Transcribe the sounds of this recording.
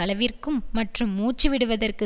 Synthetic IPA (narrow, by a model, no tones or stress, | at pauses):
ɐlɐʋɪrkɯmːɐʈrɯmːuːt͡ʃɯʋɪɽɯʋɐðɐrkɯ